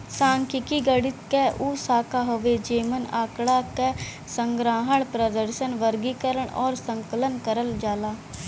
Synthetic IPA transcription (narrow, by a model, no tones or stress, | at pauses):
sãːŋkɪkiːɡəɽɪt̪kɛʔuːsaːkaːɦoʋeːd͡ʒeːmənaːkɽaːkɛː | səŋɡɾãːɦəɳpɾəd̪əɾʃənʋəɾɡiːkəɾəɳɔ̰ːɾsəŋkələnkəɾəld͡ʒaːlaː